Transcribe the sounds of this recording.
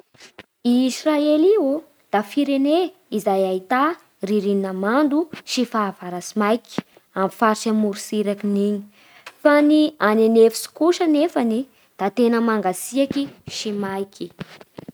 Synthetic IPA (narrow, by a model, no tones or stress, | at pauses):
iːsraelio | d̪̥afiɾene | izajait̪a | riɾininamand̪uʃifaːvaɾasimajki̥ | amfaɾt͡ʃamuɾusiɾakiniɲi̥ | fanianenefi̥si̥kuʃənefani | d̪̥at̪enəmaŋɡasiakiʃimajki